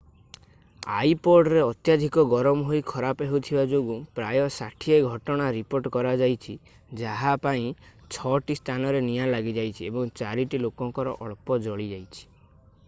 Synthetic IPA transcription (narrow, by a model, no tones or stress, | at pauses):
a̰jpɔɖɾeɔt̪jad̪ʱikɔɡɔɾɔmɔɦoikʰɔɾapeɦut̪ʰibad͡ʒoɡupɾajɔsaʈʰieɡʱɔʈɔɽ̃aɾipoɾʈkɔɾad͡ʒajt͡ʃʰi | d͡ʒaɦapaĩ | t͡ʃʰɔʈisʈʰanɔɾenijalaɡid͡ʒajt͡ʃʰiebɔŋt͡ʃaɾiʈilokɔŋkɔɾɔ̰ʔɔɭpɔd͡ʒɔɭid͡ʒajt͡ʃʰi̥